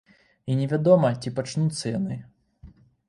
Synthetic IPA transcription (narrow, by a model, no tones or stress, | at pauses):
inʲɛvʲad̪ɔmɐt͡sʲipat͡ʂnut̪sːɐjanɨ